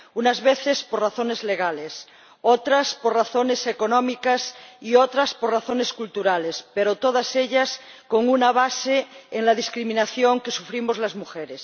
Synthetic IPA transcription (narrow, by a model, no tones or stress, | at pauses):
unazβeθespoɾraθone̞zle̞ɣ̞ale̞s | ot̪ɾasporraθone̞sekonõmikasiot̪ɾasporaθoneskult̪uɾale̞speɾot̪oð̞aseʎasko̞ŋunaβ̞aseeŋlað̞iskɾimĩnaθjoŋke̞sufɾimozlazmuxeɾes